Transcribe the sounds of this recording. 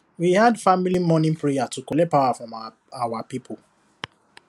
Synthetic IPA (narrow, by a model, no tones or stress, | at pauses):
wihadfamilimɔnĩpɹejatukɔlepawafɹɔ̃m | awapipʰo